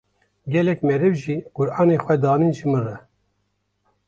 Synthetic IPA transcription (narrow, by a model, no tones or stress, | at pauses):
ɡʲɛlɛkmɛɾɨvʒiːɡ̥ʊɾɑːneːxʷɛd̪ɑːniːnʒimɨrɛ